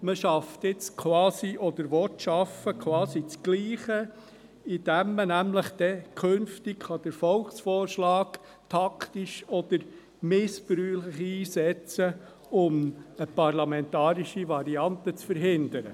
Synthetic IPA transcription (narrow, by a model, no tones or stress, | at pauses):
məʃɑft̪ɪt͡skʰwɑːsiʔɔd̪əɾʋɔtʃɑfːəkʰwɑːsit͡sɡ̥liːχə | id̥æmːənæmləχd̪̥ɛkʰɵnftɪkχɑd̥əɾfɔlχsfɔːrʃlɑːk | t̪ʰɑktiʃɔd̪̥əɾ | mɪspɾyːləχiːsɛt͡sə | ʊməpɑɾlɑmɛnt̪ɑːɾiʃiʋɑɾiɑnt̪ət͡sfəɾɦɪnd̪əɾə̰